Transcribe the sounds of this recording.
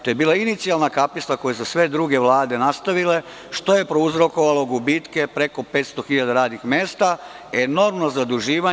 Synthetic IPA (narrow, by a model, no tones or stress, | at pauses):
t̪oje̞biːlainit̪sialnakapist̪ako̞jesusʋe̞d̪ɾuɡe̞ʋlˠaːd̪e̞nast̪aʋile̞ | ʃt̪o̞je̞pɾouzɾo̞ko̞ʋalo̞ɡubiːt̪ke̞pɾeko̞pe̞ːt̪st̪o̞xiʎad̪aɾaːd̪nixmeːst̪a | eno̞ɾmnozad̪uʒiːʋa